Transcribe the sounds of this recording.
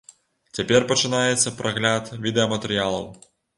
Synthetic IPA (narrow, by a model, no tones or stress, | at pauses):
t͡sʲapʲɛrpɐt͡ʂɨnajɛt̪sːɐpɾɐɣlʲat̪vʲid̪ɛɐmɐt̪ɛɾɨjalˠɐw